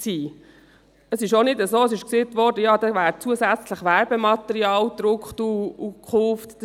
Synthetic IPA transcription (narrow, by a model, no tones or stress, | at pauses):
siː | əsɪʃonɪdəzoːəsɪʃkseːt̪ʋɔɾdəjɑːd̥̪ɑvæːɾt͡suəzæt͡sləχʋæɾbəmɑt̪ɛɾiɑːld̪̥ɾʊkχt̪uukʰχʊft̪d̥